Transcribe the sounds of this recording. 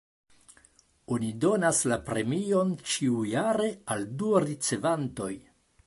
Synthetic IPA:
o̞nido̞naslapɾe̞mio̞nt͡ʃiujaɾe̞alduaɾit͡se̞vanto̞j

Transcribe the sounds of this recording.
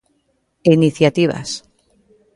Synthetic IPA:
iniθjat̪iβa̰s

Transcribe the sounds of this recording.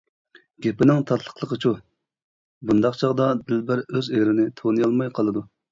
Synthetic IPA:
ɡʲepɪnɪŋt̪ʰɑt̪ʰlˠə̥χlˠəqʰət͡ʃʰu | bund̪ɑqt͡ʃʰɑʁd̪ɑd̪ɪlbæɾøzeɾɪnɪt̪ʰonɨjɑlˠmɑjqʰɑlˠɨd̪u

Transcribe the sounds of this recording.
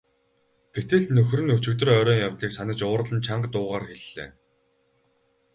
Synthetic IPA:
ɡ̥et̪ɘ̆ɮnɵx̆rɘ̆nɵt͡ɕɘ̆wt̪ɵ̆rœɾʲœːŋjawt̪ɮiːksanə̆t͡ɕʊːr̆ɮə̆nt͡ɕʰaɴɢt̪ʊːʁaːrxeɮːḛː

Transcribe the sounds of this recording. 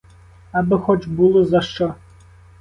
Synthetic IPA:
ɐbɪxɔt͡ʃbulˠɔzɐʃt͡ʃɔ

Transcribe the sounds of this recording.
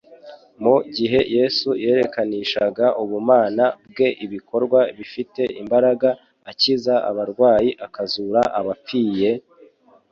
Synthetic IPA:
muɟiɦe̞je̞suje̞ːɾe̞kaniːʃaɡaʔuβumaːnab̚ɡe̞ʔiβiko̞ɾɡwaβifite̞ʔimbaɾaɡaː | cizaa̰βaɾɡwaːjiʔakazuɾaʔaβap͡fiːje̞

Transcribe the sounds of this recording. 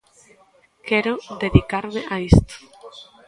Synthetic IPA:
keɾod̪eðikaɾmeʔaist̪o̥

